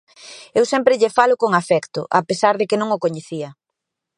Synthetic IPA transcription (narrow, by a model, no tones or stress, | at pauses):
ewsɛmpɾɪʎefalʊkoŋafɛkt̪ʊ̰ʔa̰pesaɾðekɪnõŋokoɲeθiɐ